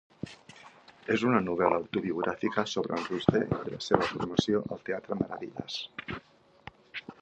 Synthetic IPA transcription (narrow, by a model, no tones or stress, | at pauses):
ezunanuβ̞elaːwt̪uβiuɣ̞ɾʔafikasoβɾanrust̪eed̪elaseβafuɾmasjoʔalt̪eat̪ɾamaɾaβiʎa̰s